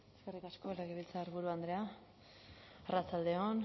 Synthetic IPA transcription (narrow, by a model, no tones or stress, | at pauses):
eskerikasko̞laɣiβilt͡saːɾβuɾuand̪ɾea | arat͡sald̪e̞on